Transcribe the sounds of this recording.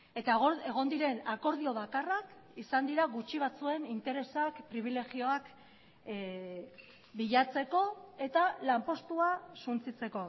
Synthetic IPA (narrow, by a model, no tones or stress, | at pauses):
et̪aɣoe̞ɣo̞nd̪iɾe̞nako̞ɾð̞io̞βakarakisand̪iɾaɣut͡ʃiβat͡sue̞nint̪e̞ɾesakpɾiβ̞ile̞ɣio̞ak | biʎat͡se̞ko̞e̞t̪alampo̞st̪uasunt͡sit͡se̞ko̞